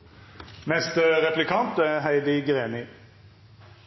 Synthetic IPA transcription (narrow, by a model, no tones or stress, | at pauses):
mɛst̪ʁɛplɪkʰɑnt̪æɦæɪd̪ɪɡʁeːnɪ